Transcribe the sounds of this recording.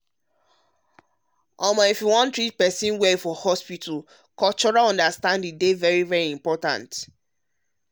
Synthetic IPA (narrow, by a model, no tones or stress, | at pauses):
ʔɔ̃mãifuwɔ̃ntɹit̚pɛsĩnwɛfɔhɔspitʰul | kɔt͡ʃɔɹaɔ̃ndastãndĩdevɛɹivɛɹiĩmpɔtã̰nt